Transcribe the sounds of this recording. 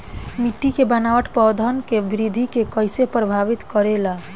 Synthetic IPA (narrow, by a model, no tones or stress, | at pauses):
miʈːikebənaʋəʈpɔd̪ʱənkebɾid̪ʱikekəjsepɾəbʱaʋit̪kəɾela